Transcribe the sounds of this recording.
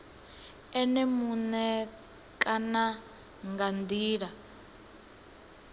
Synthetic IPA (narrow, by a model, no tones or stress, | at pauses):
ɛnɛmunɛ | kʼana | ŋɡand̪iːɺa